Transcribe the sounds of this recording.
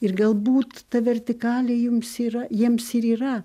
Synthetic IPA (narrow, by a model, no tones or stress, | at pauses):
ɪrɡɐlˠbuːt̪tɐʋʲɛrʲt̪ʲɪkɑːlʲejʊmsiːɾɐjiɛmsɪɾiːrɐ